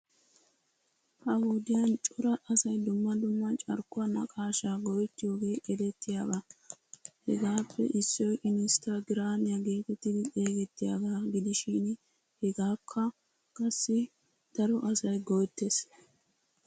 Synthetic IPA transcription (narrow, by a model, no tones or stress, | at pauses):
hɐhud̪ɪjɐnt͡ʃʼʊɾɐʔɐsɐjd̪ʊmːɐd̪ʊmːɐt͡ʃʼɐ̰ɾkːʊwɐnɐkʼaːʃaːɡɔjɛt̪ːɪjo̞ːɡe̞ːʔɛd̪ɛt̪ːɪjaɡaː | hɛ̰ɡaːpːɛ̰ʔɪsːɔjʔɪnɪst̪aɡɪɾaːnɪjɐɡe̞ːt̪ɛt̪ːɪd̪ɪʔe̞ːɡɛt̪ːɪja̰ːɡaːɡɪd̪ɪʃɪn | hɛɡaːkʰːɐ | kʼɐsːɪ | d̪̥ɐɾɔʔɐsɐjɡɔjt̪ːes